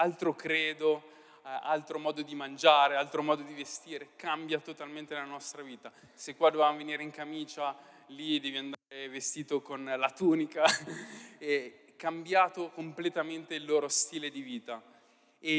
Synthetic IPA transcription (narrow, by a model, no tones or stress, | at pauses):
alt̪ɾokɾeːd̪o | a̰lt̪ɾomɔːd̪od̪imand͡ʒaːɾealt̪ɾomɔːd̪od̪ivest̪iːɾekambjat̪ot̪alment̪elanɔst̪ɾaviːt̪a | sekːwad̪ovevamoveniːɾeiŋkamiːt͡ʃa | lid̪ɛːviand̪aːɾevest̪iːt̪okonlat̪uːnika | ɛ | kːambjaːt̪okomplet̪ament̪eilːoːɾost̪iːled̪iviːt̪a | e